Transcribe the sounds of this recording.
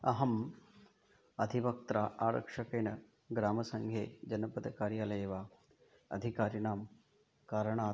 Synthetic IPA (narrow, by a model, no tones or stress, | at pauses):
ɐɦɐm | ɐd̪ʱiʋɐk̚t̪ɾaːʔaːɾɐ̰kʂɐkeːnɐ | ɡɾaːmɐsɐŋɡʱjeːd͡ʒɐnɐpɐd̪ɐkaːɾjaːlɐjeʋaː | ɐ̰d̪ʱikaːɾjɐnaːm | kaːɾɐɳaː